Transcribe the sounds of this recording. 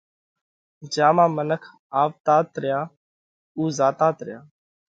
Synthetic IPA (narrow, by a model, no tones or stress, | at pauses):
d͡ʒãːmãːmənəkʰ | aːʋt̪aːt̪ɾɪjaː | uːzaːt̪ãːt̪ɾɪjaː